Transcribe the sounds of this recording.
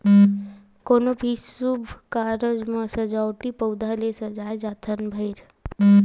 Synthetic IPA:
koːnobʱisubʱkaɾəd͡ʒmə̃səd͡ʒawʈipəwd̪ʱalesəd͡ʒaːjd͡ʒaːt̪ʰənbʱəjɾ

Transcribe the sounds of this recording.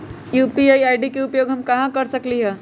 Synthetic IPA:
juːpiajajɖikeupjoːɡʱɦɐmkɐɦãkɐɾsəkliɦɛː

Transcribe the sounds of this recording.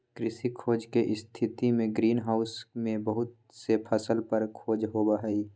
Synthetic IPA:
kɾɪsikʰoːd͡ʒkeʔɪst̪ʰɪt̪imẽɡɾiːnɦaːʊsmẽbəɦʊt̪̚ | sepʰəsəlpəɾkʰoːd͡ʒɦoːbaɦɛi

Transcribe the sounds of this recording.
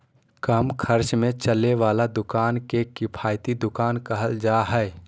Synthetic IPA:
kɐmkʰəɾt͡ʃmẽt͡ʃəleʋaːlad̪ʊkaːnkekɪpʰaːjt̪id̪ʊkaːnkəɦəld͡ʒaːɦɛ

